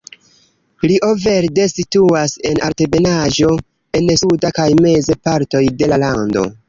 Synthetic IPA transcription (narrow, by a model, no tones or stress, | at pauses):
liʔove̞ɾde̞situase̞na̰ɾte̞be̞naʒo̞ | e̞nsudakajme̞zepaɾto̞jde̞lalando̞̰